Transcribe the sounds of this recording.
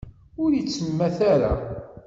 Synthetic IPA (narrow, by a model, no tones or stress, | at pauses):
ʊɾjət͡sːəmːæθaɾa̰